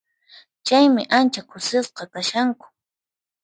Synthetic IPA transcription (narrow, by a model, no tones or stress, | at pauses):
t͡ʃajmɪʔant͡ʃakʊsɪsqɑkaʃaŋkʊ̥